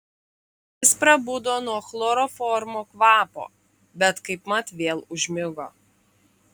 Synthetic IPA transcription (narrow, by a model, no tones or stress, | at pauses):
ɪspɾɐbud̪oːnuɔxlˠoɾɔːfɔːɾmoːkʋɑːpo̰ː | bʲɛt̪kɐɪpmɐt̪ʋʲeːlˠʊʒʲmʲɪɡoː